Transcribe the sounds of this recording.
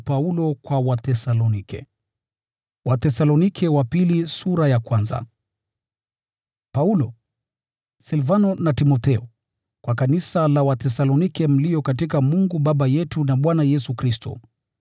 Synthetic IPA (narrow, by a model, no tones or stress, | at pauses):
paulɔkwawaθɛsalɔnikɛ̰ | watɛsalɔnikʰɛwapilisuɾajakwanza̰ | paulɔ | silvanɔnatimɔθɛɔ | kwakanisalawatɛsalɔnikɛm̩lijɔkatikamuŋɡuɓaɓajɛtunaɓwanajɛsukɾistɔ̰